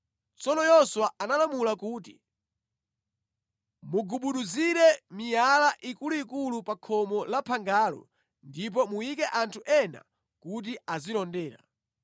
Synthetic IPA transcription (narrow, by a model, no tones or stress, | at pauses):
t͡sɔnɔjɔswaanalamulakuːt̬ḭ | muɡuɓuɗuziɾɛmijalaʔikuluikulupakʰɔmɔlapʰaŋɡaːlɔ̰ | ndip̬ɔmuikɛʔantʰuʔɛna̰ | kut̬iazilɔndɛːɾa̰